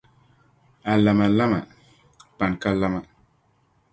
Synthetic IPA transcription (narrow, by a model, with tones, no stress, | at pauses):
a˨la˨ma˨la˦ma̰˨ | pa˨nka˦la˦ma˨